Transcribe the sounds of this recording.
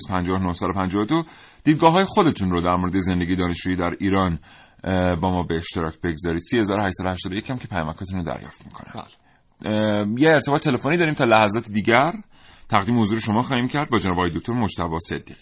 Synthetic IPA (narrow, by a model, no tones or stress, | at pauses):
zpʰænd͡ʒɒːhnohsæd̪opʰænd͡ʒɒːvod̪od̪̥iːd̪̚ɡɒːɦɒːjexo̞d̪e̞t̪ʰunɾod̪æɾmoɾed̪ezend̪e̞ɟije̞d̪ɒːne̞ʃt͡ʃuːjiːd̪æɾiːɾɒːn | bɒːmɒːbeeʃt̪eɾɒːcʰbe̞ɡzɒːɾiːd̪̥siːhe̞zɒːɾohæʃsæd̪oæʃt̪ɒːd̪oecʰæmcʰe̞pʰæjɒːmækʰɒːt̪ʰunod̪æ̰ɾjɒ̰ːft̪mikʰonæ̰ | jeeɾt̪ebɒːet̪ʰelefonid̪ɒːɾimt̪ʰɒːlæhæzɒːt̪ʰed̪iːɟæɾ | t̪ʰæɣd̪iːmehozuːɾeʃo̞mɒːxɒːhiːmcʰæɾd̪bɒːd͡ʒenɒːbɒjed̪okʰt̪oɾmod͡ʒt̪æbɒːse̞d̪ːiːʁi